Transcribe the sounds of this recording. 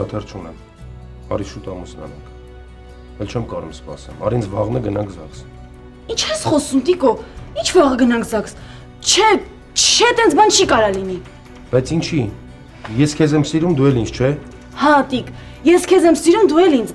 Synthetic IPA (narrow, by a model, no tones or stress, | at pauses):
ɑt̪ʰɛɾt͡ʃʰunɛm | ɑ̰ɾiʃut̪ɑmusnɑ̰nɑ̰ŋkʰ | ɛlt͡ʃʰɛmkɑɾumspɑ̰sɛmɑ̰ɾint͡sʰvɑʁnəɡənɑŋkʰzɑks | int͡ʃʰhɛsχɔsumt̪ikɔint͡ʃʰvɑʁɡənɑŋkʰzɑks | t͡ʃʰɛ | t͡ʃt͡ʃʰɛt̪ɛnt͡sʰbɑnt͡ʃʰikɑɾɑlini | b̥ɑjt͡sʰint͡ʃʰi | jɛskʰɛzɛmsiɾumd̪uɛlint͡sʰt͡ʃʰɛ | hɑt̪ik | jɛskʰɛzɛmsiɾumd̪uɛlint͡s